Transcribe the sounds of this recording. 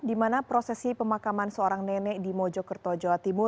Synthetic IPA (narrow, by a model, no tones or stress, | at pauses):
dimanapɾosɛsipəmakamansəoɾaŋnɛnɛʔdimɔd͡ʒɔkərt̪ɔd͡ʒoat̪imʊ